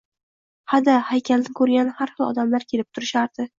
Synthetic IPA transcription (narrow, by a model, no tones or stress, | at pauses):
had̪ahajkʲʰald̪ɪkʰɵɾɡʲanhaɾχɨlˠɒ̰d̪amlaɾkʲʰe̞lɪp̚t̪ʰʊɾɪʃaɾd̪̥ɪ